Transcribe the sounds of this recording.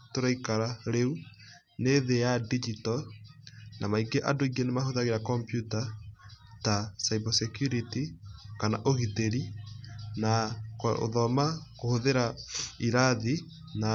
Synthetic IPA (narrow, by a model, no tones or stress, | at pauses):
toɾaikaɾaɾeu | neðejadid͡ʒitɔ | namaiɡeʔadoiɡenemahoðaɣeɾakɔmpjuta | tasaibɛsɛkjuɾitikanaʔoɣiteɾi | nako̰ðɔmakohoðeɾaiɾaði | na